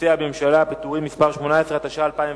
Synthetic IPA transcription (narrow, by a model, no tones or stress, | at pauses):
iabeemʃalapit̪uʁimːispaʁʃmo̞naesʁeat̪aʃaːlpaĩm